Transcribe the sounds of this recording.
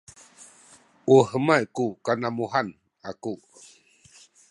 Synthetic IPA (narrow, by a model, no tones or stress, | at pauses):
ʔuhəmajkukanamuɦan | aku